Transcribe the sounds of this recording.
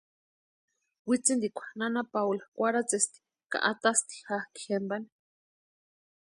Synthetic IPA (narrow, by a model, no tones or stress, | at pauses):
wit͡sind̪ikʷḁnanapawlokʷaɾat͡sest̪i̥ | ka̰ʔat̪ast̪i̥hahki̥hembane̥